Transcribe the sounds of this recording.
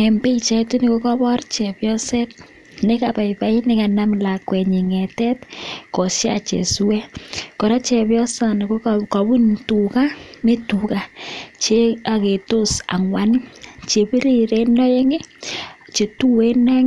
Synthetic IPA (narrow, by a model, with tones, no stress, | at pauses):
ɛ˨mbe˦t͡ʃɛ˧tu˦ni˨ko˦kɔ˦bɔ˦rt͡ʃɛ˨pjɔ˦sɛ˦t̚ | ne˦ka˨pa˨jpa˨˦i˦nɪ˦ka˨na˦mla˨kwɛ˨ɲi˨ŋɛ˨tɛ˦tkɔ˨sja˦a˨t͡ʃḛ˨su˦wɛ˦kɔ˨ɾa˦t͡ʃɛ˨bjɔ˦sa˨ni˨ko˦kka˨bu˦ntu˨ka˦me˦tu˨ka˨t͡ʃe˦a˨ke˨to˦sa̰˨ŋwa˦nt͡ʃe˨pi˦ɾi˦˨ɾe˦nɔ˦je˦ŋe˦t͡ʃe˨tu˦we˦nɔ˦ŋ